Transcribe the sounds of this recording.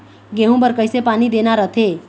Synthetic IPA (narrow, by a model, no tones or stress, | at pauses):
ɡeɦũbəɾkəjsepanid̪enaɾət̪ʰe